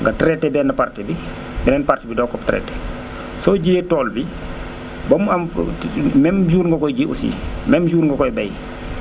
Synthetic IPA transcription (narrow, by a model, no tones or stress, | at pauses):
ŋɡɐtɾɛtːɛbɛːnːɐpartɛbi | bɛnɛnpartibidɔkɔptɾɛ̰ːtːɛ | sɔːɟietɔːlbi | bɐmːuɐm | mɛmd͡ʒuːɾŋɡɐkɔjd͡ʒiʔṵsḭːmɛmd͡ʒuːɾŋɡɐkɔjbɐj